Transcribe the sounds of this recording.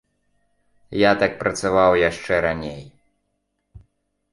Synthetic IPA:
jat̪ak̚pɾɐt̪savawjaʂt͡ʂɛɾanʲej

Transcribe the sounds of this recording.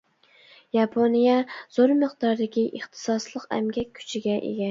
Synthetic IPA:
jɑpʰonijɛz̥oɾmɨχd̪ɑɾd̪ɪkʲiʔeχt̪ʰɨ̥sɑslˠəqæ̰mɡʲɛk̚ʲʰːy̥t͡ʃʰiɡʲɛʔḛɡʲɛ

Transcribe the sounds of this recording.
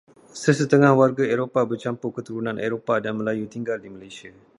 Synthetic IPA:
səsət̪əŋãhwarɡaeɾopabərt͡ʃampukət̪uɾunãnʔḛɾopadanmə̃lajut̪iŋɡaldimalajsia

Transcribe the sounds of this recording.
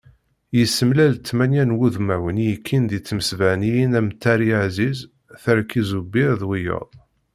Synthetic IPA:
jəsːəmlælt͡s̪ːmænjænwuðmæwənjəkʰːind̪it͡sːməsvæʕnijinæmt̪ːæɾiʕziz | θəɾkːizubiɾðwijə̰ðˤ

